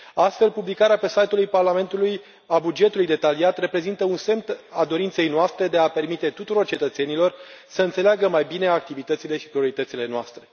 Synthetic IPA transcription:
ast̪fe̞lpublikaɾeape̞sajt̪ulujparlame̞nt̪uluj | abud͡ʒe̞t̪ulujd̪e̞t̪aliat̪re̞pɾe̞zint̪əunse̞mt̪ad̪o̞ɾint̪se̞jnoast̪ɾe̞d̪e̞ape̞rmit̪e̞t̪ut̪uɾo̞rt͡ʃet̪ət̪se̞nilo̞rsəɨnt̪se̞leaɡəmajbine̞ak̚t̪ivit̪ət̪sile̞ʃi̥pɾio̞ɾit̪ət̪sile̞noast̪ɾe̞

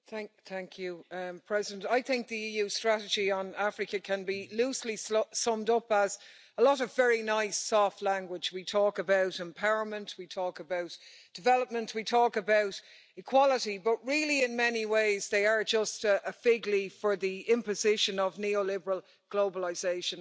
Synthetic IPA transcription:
θæ̃ŋθæ̃ŋkʰjupʰɹ̥ɛzɪdə̃ntaɪθɪ̃ŋk̚ðiiːjʉstɹ̥aɾɨd͡ʒiə̃nafɹɨkəkʰə̃nbiluːslissʌ̃mdʊpəz | əlɔɾʌvɛɹinaɪsɔˑftˡlãŋɡwɪd͡ʒwitʰɔːkəbaʊɾɛ̃mpʰaʊəmə̃ntwitʰɔːkəbaʊt | d̥ɪvɛləp̚mə̃ntʰwitʰɔːkəbaʊɾ | ɪkʰw̥ɒləɾibʌʔ̚ɹɪlˠiɪ̃nmɛniweɪzðeɪə˞d͡ʒʌstəʔəfɪɡlifə˞ðiɪ̃mpɨzɪʃə̃nəvnioʊlɪbə˞əlˠ | ɡ̥loʊbəlaɪzeɪʃə̃n

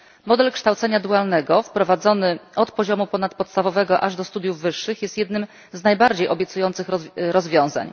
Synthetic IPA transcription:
mɔd̪ɛlkʂt̪awt̪sɛɲad̪ualnɛɡɔfpɾɔvad̪zɔnɘɔt̪pɔʑɔmupɔnat̪pɔt̪st̪avɔvɛɡɔʔaʐd̪ɔst̪ud̪ʲjuvːɘʂːɘxjɛst̪jɛd̪nɘm | znajbaɾd͡ʑejɔbʲjɛt̪sujɔnt̪sɘxɾɔzvʲjɔ̃w̃za̰ɲ

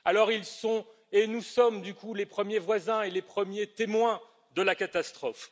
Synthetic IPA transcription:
alɔʁilsɔ̃ | enusɔmd̪ykulepχəmjevwazɛ̃elepχəmjet̪emwɛ̃ | d̪əlakat̪ast̪χɔf

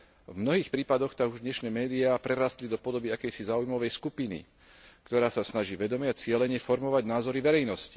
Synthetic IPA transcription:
vmnɔɦiːxpɾiːpad̪ɔxt̪aɡuʒd̪ɲɛʃnɛːmɛːd̪iapɾɛɾaːst̪lid̪ɔpɔd̪ɔbiakɛjsizaːujmɔʋɛjskupinḭ | kt̪ɔɾaːsasnaʒiːʋɛd̪ɔmɪɛat͡sɪɛlɛɲɛfɔɾmɔʋaɟnaːzɔɾiʋɛɾɛjnɔsci̥

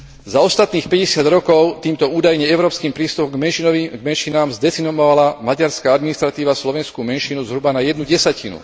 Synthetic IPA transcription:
zaɔst̪at̪niːxpɛɟɛsɪad̪ɾɔkɔʊt̪iːmt̪ɔuːd̪ajɲɛɛʊɾɔːpskiːmpɾiːst̪upɔɡmɛnʃiiɡmɛnʃinaːmzd̪ɛt͡sinɔʋɔʋalamaɟaɾskaad̪minist̪ɾat̪iːʋaslɔʋɛnskuːmɛnʃinuzɦɾubanajɛd̪nuɟɛsacinṵ

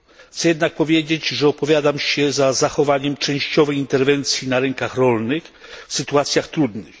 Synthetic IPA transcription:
t̪sɛjɛd̪nak̚pɔvʲjed͡ʑed͡ʑʐɛɔpɔvʲjad̪amɕɛzazaxɔvaɲɛmt͡ʂɛ̃w̃ɕt͡ɕɔvɛjint̪ɛɾvɛnt̪sʲjinaɾɛŋkaxɾɔlnɘxfsɘt̪uat̪sʲjaxt̪ɾud̪nɘx

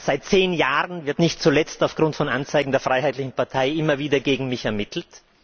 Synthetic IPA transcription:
z̥aɪt̚t͡seːnjaːʁənvɪɐtnɪçt̚t͡sulɛt͡staʊfɡ̥ʁʊntfɔnʔant͡saɪɡŋ̩deːɐfʁ̥aɪhaɪtlɪçn̩paɐtʰaɪʔɪmɐviːdɐɡeːɡŋ̩mɪçɛɐmɪtʰl̩t

